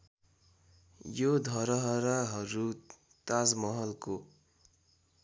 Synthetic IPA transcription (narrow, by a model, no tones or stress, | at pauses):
jod̪ʱʌɾʌɦʌɾaɦʌɾu | t̪ad͡zmʌɦʌlko